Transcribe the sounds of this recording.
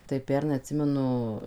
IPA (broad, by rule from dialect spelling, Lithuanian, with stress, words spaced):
tɐɪ ˈpʲɛrnɐɪ ɐtʲˈsʲɪmʲɛnʊ